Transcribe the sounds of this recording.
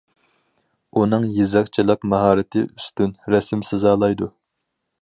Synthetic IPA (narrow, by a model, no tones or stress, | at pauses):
unɨŋjizɑqt͡ʃʰilˠɨqmɑɦɑːɾɨt̪ʰɪʔyst̪ynɾɛsɪmsɨzɑːlˠɑjd̪u